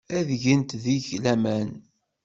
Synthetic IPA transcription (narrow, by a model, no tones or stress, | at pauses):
æðʝənt̪ðiçlæmæn